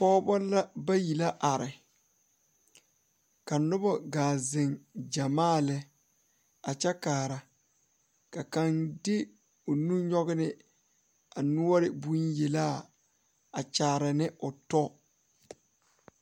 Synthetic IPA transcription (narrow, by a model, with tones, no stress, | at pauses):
pɔː˦bɔ˦la˦ba˦ji˨la˦ʔa˨ɾɪ˨ | ka˨nʊ˦bɔ˦ɡaː˨zɪ˨ŋd͡ʒa˨maː˦˨lɛ˨ | a˨t͡ʃɛ˦kaː˨ɾa˨ | ka˨ka˦ndɪ˦ | ʊ˨nũ˦ɲɔ˦ɣɪ˦nɪ˦ | a˨nʊ˦ɔ˦ɾɪ˨bu˦nje˨la˦˨ | a˨t͡ʃaː˨ɾa˨nɪ˦ʊ˨tɔ˦